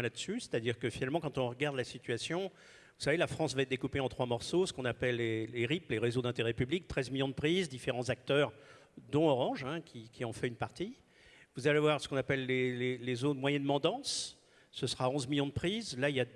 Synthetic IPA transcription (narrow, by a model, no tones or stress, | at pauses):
ɛ̃lad̪əsyse̥t̪ad̪iʁkəfinalmɑ̃kɑ̃t̪ɔ̃ʁəɡaʁd̪lasit̪ɥasjɔ̃ | vu̥savelafχɑ̃svaɛt̪̚d̪ekupeɑ̃t̪χwamɔʁsosə̥kɔ̃napɛlːeleʁipleʁezod̪ɛ̃t̪eʁɛpyblik̚t̪χɛzmiljɔ̃d̪əpχizd̪ifeʁɑ̃zak̚t̪œʁ | d̪ɔ̃ɔʁɑ̃ʒɛ̃kʲikʲʰiɑ̃fɛynpaʁt̪i | vuzalevwaʁsə̥kɔ̃napɛlːelelezonmwajɛnmɑ̃d̪ɑ̃sː | əsʁaɔ̃zmiljɔ̃d̪əpχizlailja